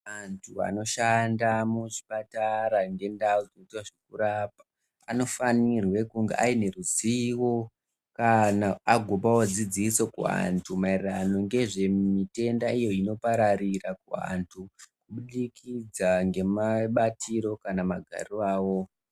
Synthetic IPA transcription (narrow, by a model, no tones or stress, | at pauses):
antʰua̰no̞ʃandamuʐi̥pataɾaŋɡe̞ndauzoitwaʐekuɾaːpḁ | ano̞fanirwe̞kuŋɡeʔaine̞ruziwo̞ | kanaːɡʱopawod͡zid͡ziso̞kua̰ntʰumairrano̞ŋɡe̞ʐe̞mite̞ndaijo̞ino̞paɾarirakua̰ntʰukuɓuɗikid͡zaŋɡe̞maɓatiɾo̞kanamaɡʱa̰riaːwo̞